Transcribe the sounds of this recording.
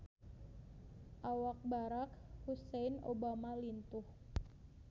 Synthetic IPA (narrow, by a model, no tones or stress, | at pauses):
ʔawak̚baɾakhusɛnobamalint̪ʊh